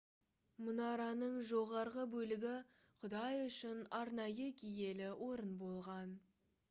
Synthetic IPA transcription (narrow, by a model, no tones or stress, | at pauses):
mʊnɑɾɑnəɴʒo̞ʁɑɾʁəbɵlɪɡʲɪ | qʰʊd̪ɑjʏʃɪnɑɾnɑjəkʲʰije̞lɪwʔo̞ɾənbo̞lˠʁɑn